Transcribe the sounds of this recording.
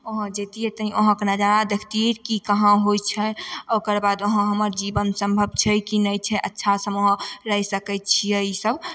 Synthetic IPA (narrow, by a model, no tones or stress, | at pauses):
oɦə̃d͡ʒet̪iet̪əɦĩoɦãkənad͡ʒanad̪ekʰt̪ikikəɦãɦojt͡ʃʰɛokəɾbad̪oɦãɦəməɾd͡ʒibənsə̃mbʱəb̚t͡ʃʰɛkinəjt͡ʃʰɛʔətːʃʰasəmoɦə̃ɾəɦisəkɛt̪̚t͡ʃʰijɛisəb